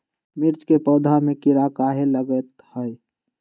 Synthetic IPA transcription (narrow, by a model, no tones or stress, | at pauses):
mɪɾt͡ʃkepəd̪ʱamẽkiɾakaɦeləɡət̪həj